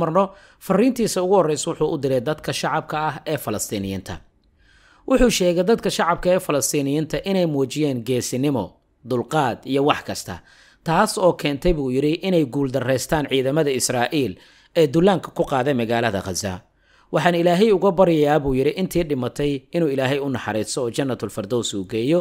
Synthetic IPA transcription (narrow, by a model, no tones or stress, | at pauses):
mɐrnɔ | fɐriːnt̪ʰiːsɐʊɣʊhɔrɛjswʊħuːʔʊd̪ɪlɛjd̪ɐd̪kʰɐʃɑʕɑb̚kʰɐɐɦɛːfɐlɐst̪ʰiːnɪjɪ̰nt̪ʰɐ̰ | wʔʊħuːʃɛːɣɛjd̪ɐd̪kʰɐʃɑʕɑb̚kʰɐɛːfɐlɐst̪ʰiːnɪjɪnt̪ʰɐʔɪnɛjmɔːt͡ʃɪjaːnɡɛːsɪnɪmɔ | d̪ʊlqɑːd̪ijɔwɑħkʰɐst̪ʰɐ̰ | t̪ʰaːsɔːkʰɛːnt̪ʰɛjβuːjɪɾɪʔɪnɛjɡuːld̪ɐrɛːst̪ʰaːnʕiːðɐmɐðɐɪsrɑːʔiːl | ɛːd̪ʊlːaːŋkʰɐ̥kʰʊqɑːðɛjmɐɣaːlɐðɐ̰qɑza̰ | wɑħɑːnɪlaːɦɛjʊɣɐbɐɾɪjɐjaːβuːjɪɾɪʔɪnt̪ʰiːɖɪmɐt̪ʰɛjɪnuːɪlaːɦɛjʊnɑħɑɾiːsɔːt͡ʃɐnːɐt̪ʰʊlfɐrd̪ɔwsuːɡɛːjɔ